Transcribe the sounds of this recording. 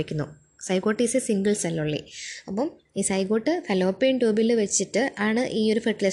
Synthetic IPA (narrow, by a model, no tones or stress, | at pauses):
ikʲːunːu | sɐjkoːʈːisɨsiŋɡɐɭsɐlːuɭːḭɐpːɐm | iːsɐjko̞ːʈːɨfɐloːpːeːɳʈuːbilɨʋet͡ɕːiʈːɨʔaːɳɨʔiːo̞ɾufeʈːile